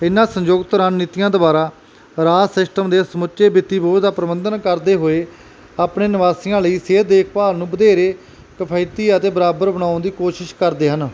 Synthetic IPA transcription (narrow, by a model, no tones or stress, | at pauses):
ɪnãːsəɲd͡ʒoːɡt̪əɾaːnnːit̪ijãːd̪obaːɾaː | ɾaːsɪsʈəmd̪eːsəmʊt͡ʃʃeːbɪt̪ːiːboːd̪aːpəɾəbənd̪ənkəɾd̪eːɦoːeː | aːpɳeːnɪʋaːsɪjãːləiːseːd̪eːkʰpaːlnũːbəd̪eːɾeː | kəpʰaːɪt̪iːət̪eːbəɾaːbəɾbəɽ̃ãːʊnd̪iːkoːʃɪʃkəɾd̪eːɦən